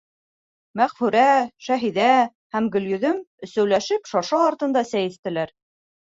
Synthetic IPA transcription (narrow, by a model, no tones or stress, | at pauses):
mæʁfʉɾæʃæɦiðæ | hæmɡɵ̆ljɵ̆ðɵmɵ̆sæwlæʃɘpʃɑʃɑːɾt̪ɤ̆nd̪ɑsæjɘ̆θt̪ɘ̆læɾ